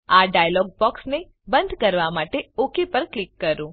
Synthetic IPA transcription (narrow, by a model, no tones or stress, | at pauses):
aɖajalɔɡ̚bɔksne | bənd̪ʱkəɾʋamaʈeokʰipəɾklikːəɾũ